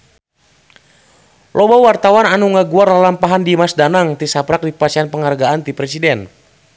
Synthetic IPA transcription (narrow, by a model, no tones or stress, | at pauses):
lʔɔbawart̪awananuŋaɡuarlalampaɦandimasdanaŋt̪isapɾak̚dipasianpəŋarɡaant̪ipɾɛsidɛn